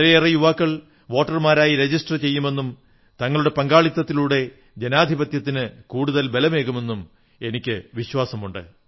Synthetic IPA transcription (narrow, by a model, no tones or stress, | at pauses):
ɾeirɐjuʋaːkːɐɭ | ʋo̞ːʈːɐrmaːɾaːjiɾe̞d͡ʑisʈɐrt͡ɕe̞jːume̞nːum | t̪ɐŋːɐɭuɽe̞pɐŋɡaːɭit̪ːɐt̪ːiluɽe̞ | d͡ʑe̞naːd̪ʱibɐt̪jɐt̪ːinɨkuːɽuðɐlbelɐme̞ːɣume̞nːum | e̞nikʲːɨʋiɕwaːsɐmuɳɖɨ̰